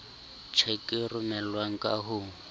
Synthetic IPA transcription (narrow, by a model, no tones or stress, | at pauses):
t͡ʃʰekʼirʊmɛlwaŋ̩kʼa̰ɦu